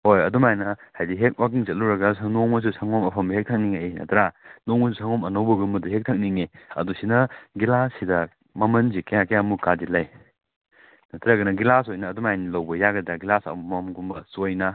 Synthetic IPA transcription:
hojɐdumajnɐhajdiɦek̚wakiŋt͡ʃɐt̚luɾɐɡɐsɐnoŋmɐs̬usɐŋomɐpʰɐmbɐɦek̚tʰɐk̚niŋeenɐ̰tʰɾanoŋmɐsusʰaŋomɐnowbɐɡumbɐduɦek̚tʰɐk̚niŋeɐ̰dusinɐɡilasidɐ | mɐmɐnzikɐjakejamukadilɐj | nɐtʰɾaɡɐnɐɡilasojnɐːdumajnilɐwbɐjaɡɐdɐɡilasɐ̰mumɐmɡumbɐsojnɐ

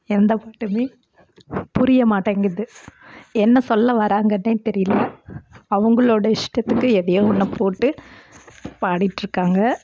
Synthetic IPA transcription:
ɛnd̪ɐpaːʈːɯmeː | pʊɾɪjɐmaːʈːɐŋɡɪðɯ | ɛnːɐsɔlːɐʋɐɾaːŋɡɐnːeːt̪ɛɾɪjɪlːɐɐʋɐŋɡɐɭoːɽɐɪʂʈɐt̪ːɯkːɯɛðɐjeːɔnːɐpoːʈːɯ | paːɽɪʈːɾɯkːaːŋɡɐ

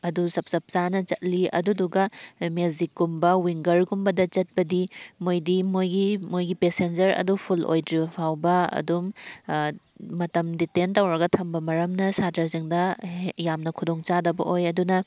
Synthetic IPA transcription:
ɐdusɐp̚sɐp̚sanɐt͡ʃɐt̚liɐ̰duduɡɐmezikːumbɐwiŋɡɐɾɡumbɐdɐt͡ʃɐt̚bɐdimojdimojɡimojɡipesend͡ʒɐɾɐ̰dupʰulʔo̰jdɾibɐpʰawbɐɐ̰dum | ɐtɐmditentɐwɾɐɡɐtʰɐmbɐmɐɾɐmnɐsatɾɐziŋdɐjamnɐkʰudoŋt͡ʃadɐbɐ̰ʔojɐdunɐ

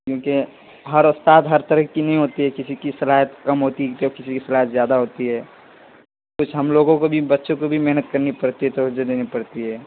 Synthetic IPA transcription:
kjõːke | ɦɐɾʊst̪aːt̪ɦɐɾt̪əɾəkːinəɦĩɦoːt̪iɦɛkɪsikisɐlaːɦət̪kɐmɦoːt̪iɦt̪ɔɾkɪsikisɐlaːɦət̪zjaːd̪aɦoːt̪iɦɛː | kʊt͡ʃʰɦɐmloːɡõkobʱibɐtːʃõkobʱimɛɦnət̪kɐɾnipɐɽt̪iɦɛt̪oɦʊd͡ʒed̪eːnipɐɽt̪iɦɛː

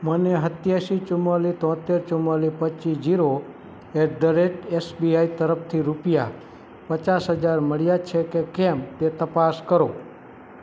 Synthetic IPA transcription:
məneɦət̪jaʃit͡ʃʊmalit̪ɔ̃t̪eɾt͡ʃʊmalipət͡ʃisd͡ʒiɾo | eʈɖəɾeʈesbiait̪əɾəpt̪ʰiɾupja | pət͡ʃasɦəd͡ʒaɾməɭjat͡ʃʰekekɛmt̪et̪əpaskəɾo

